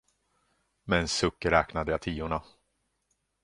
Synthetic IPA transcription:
mɛnsɵkːəɾɛːknad̪əjat̪ʰiːʊɳa

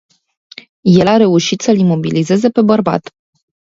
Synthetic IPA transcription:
je̞laɾe̞uʃit̪səlimo̞bilize̞ze̞pe̞bərba̰t̪

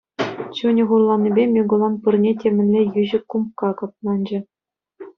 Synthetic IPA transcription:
t͡ɕunʲɘ̆ʁurlˠɑnʲːibʲemʲeɡulˠɑnpɯrnʲetʲemʲɘ̆nʲlʲejyʑɘ̆kːumkɑkɑp̚nɑnʲd͡ʑɘ̆

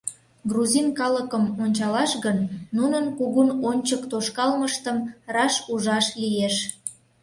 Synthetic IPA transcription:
ɡruzinkɑləkəmonʲt͡ɕɑlɑʃɣənːunənkuɣunonʲt͡ɕəkt̪oʃkɑlməʃt̪əmrɑʃuʒɑʃlijeʃ

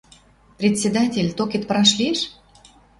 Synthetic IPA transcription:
prʲet̪ʲsʲed̪atʲelʲt̪okʲet̪̚pɾɑʃlʲiʃ

